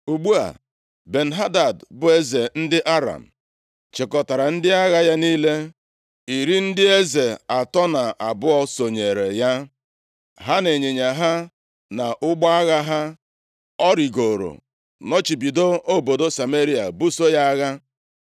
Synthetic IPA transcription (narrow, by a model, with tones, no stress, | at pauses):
u˨ɡ͡bu˦a̰˨ | be˨n̩˨ɦa˦da˨dbʊ˨e˦ze˨n̩˦dɪ˦ʔa˦ɾa̰˨m̩˨ | t͡ʃe˨kɔ˨ta˨ɾa˨n̩˦dɪ˦a˦ɣa˦ja˦niː˦le˦ | i˨ɾi˦n̩˦dɪ˦e˦ze˨a˨tɔ˦na˨ʔa˨bʊ˦ɔ˦so˨ɲe˨ɾe˨ja˦ | ɦa˦ne˨ɲe˨ɲa˨ɦa˦ | na˨ʔʊ˦ɡ͡bɔ˦a˦ɣa˦ɦa˦ | ɔ˦ɾi˨ɡo˨ɾo̰˨ | nɔ˦t͡ʃi˨bi˨do˦o˦bo˨do˦sa˨me˦ɾi˦a̰˨bu˦so˦ja˦a˦ɣa˦